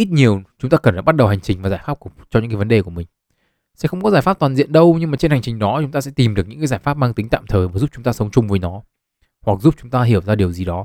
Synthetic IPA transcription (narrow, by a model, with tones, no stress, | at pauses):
ʔi˦˥t̚ɲi˨˩əwt͡ɕʊ˨˦ŋ͡mt̪aː˧kə˨˩nfaː˧˩ɓa˦˥t̚ɗə˨˩wɦa˨˩ŋt͡ɕï˨˩ŋ̟vaː˨˩zaː˧˩jfa˦˥p̚kt͡ɕɔ˧ɲɨ̰˧˥kːaː˨˦və˨˦ɗe˨˩ku˧˩əmï˨˩ŋ̟ | sɛ̰˧˥xə˧wŋ͡mkɔ˨˦zaː˧˩jfa˦˥t̪waː˨˩zḭ˧˨ənɗə˧wɲɨ˧ŋmaː˨˩t͡ɕe˧nha˨˩jŋ̟t͡ɕï˨˩ŋ̟ɗɔ˨˦t͡ɕŋ͡mt̪aː˧sɛ̰˧˥t̪i˨˩mɗɨ˨˩k̚ɲɨ̰˧˥kːzaː˧˩jfa˦˥p̚maː˧ŋt̪ï˨˦ŋ̟t̪a̰ː˧˨mt̪ʰəː˨˩vaː˨˩zu˦˥p̚t͡ɕʊ˨˦ŋ͡mt̪aː˧sə˨˦wŋ͡mt͡ɕʊ˧ŋ͡mvəː˨˦jnɔ˨˦ | hwa˨˩k̚zu˦˥p̚t͡ɕʊ˨˦ŋ͡mt̪aː˧ɦi˧˩əwzaː˧ɗi˨˩əwzi˨˩ɗɔ˨˦